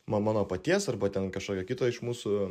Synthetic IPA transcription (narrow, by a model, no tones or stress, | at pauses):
mɐmɑːnoːpɐt̪ʲiɛsɐrbɐt̪ʲɛnkɐʃkoːkʲɛkʲɪt̪ɐɪʃmuːsʊ